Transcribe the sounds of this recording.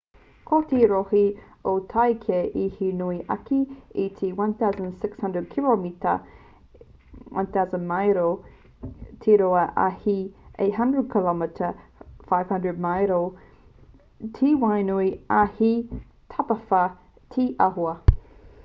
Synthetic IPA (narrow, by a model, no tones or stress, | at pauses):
kʰotiɾohi | otʰajkʰeʔihinuiʔɐ̰kiit̪ʰiwɐ̃nθawzə̃nsɪkshɐ̃ndɹəd̚kʰilomitə̰ | wʔɐ̰̃nθazənmajɾo | tʰiɾoɐʔa̰hiʔḛɦɐndɹəd̚kʰəlɔmɪtʰəfajv̥hɐ̃ndɹəd̚majɾo | tʰiːwajnuiɐhi | tʰɐpɐfɐ | tʰiʔɐɦoɐ